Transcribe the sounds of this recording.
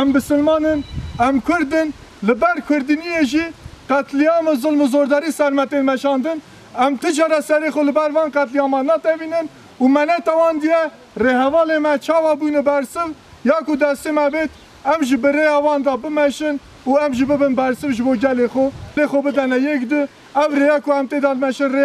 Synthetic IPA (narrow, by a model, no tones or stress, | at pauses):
ɛmbɨsɨlmɑːnɨnɛmkʰʊɾd̪ɨn | lɨbɛɾkʷʰʊɾd̪inijeʒiqæt̪lijɑmɨzɨlmɨzoːɾd̪ɑɾisɛɾmɛt̪enmɛʃɑːnd̪ɨn | ɛmt̪ʰɨd͡ʒɑːɾɛsɛɾeːxolɨbɛɾvɑːnqɛt̪lijɑːmɑnɑːt̪ɛviːnɨn | umɛnɛt̪ɑwɑːnd̪ijɛ | rehɛvɑːlemɛt͡ʃʰɑːwɑbujnɨbɛɾsɨv | jɑːkʊd̪ɛst̪emɛbeːt̪ | ɛmʒɪbɨrejɑːwɑːnd̪ɑbɨmɛʃɪn | uɛmʒɪbɨbɨnbɛɾsɨvʒɨboːɡɛlexʷolexʷobɨd̪ɛnɛjɛkd̪ɨ | ɛwrejɑkʊɛmt̪ed̪ɑlmɛʃɨnre